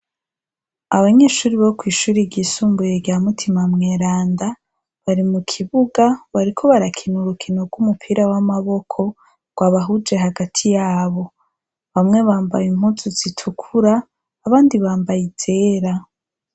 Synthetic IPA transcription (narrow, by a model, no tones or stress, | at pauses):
aβaɲeːʃuːɾiβokwiːʃuːɾiɟisuːmbujeɟjaːmutʰimamŋeːɾaːnda | βaɾimukʰiβuɡaβaɾikʰo̞βaɾakʰinuɾukʰinoɡwumupʰiɾawamaβo̞kʰo̞ | ɡ̥waβaɦud͡ʒe̞ɦaɡatʰijaːβo̞ | βamŋe̞βaːmba̰jim̥huːzuz̥itʰukʰuɾaː | βaːndiβaːmbajize̞ːɾa